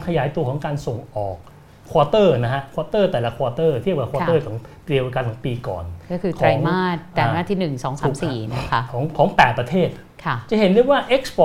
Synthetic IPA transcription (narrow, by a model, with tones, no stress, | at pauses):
kʰa˧jaː˩˦jt̪u˧əkʰɔː˩˦ŋkaː˧nso˨˩ŋʔɔː˨˩k̚ʰː | wɔː˧t̪ɤː˥˩na˦˥kʰa˦˥ʔkʰwɔː˧t̪ɤː˥˩t̪ɛː˨˩la˦˧˥kʰwɔː˧t̪ɤː˥˩t̪ʰi˥˩əp̚ka˥˩kʰwɔː˧tɤː˥˩k̪ʰɔː˩˦ŋt̪ɾi˧wka˧nt̪ʰaː˩˦piː˧kɔ̰ː˨˩nkɔː˥˩kʰɯː˧k̪ʰɔɾaː˩˧˦ŋmaː˥˩t̪ːɛː˨˩˨naː˥˩t̪ʰiː˥˩nɯ˨˩ŋsɔː˩˦ŋsaː˧˦msiː˨˩na˦˥˩kʰa˦˥kʰɔː˩˦ŋkʰɔː˩˦ŋpɛː˨˩t̪̚pɾa˧t̪ʰeː˥˩t̪̚ | kʰa˥˩t͡ɕa˨˩ɦe˨˩˦ndu˥˧waː˥˩ʔe˦˥k̚spɔ˧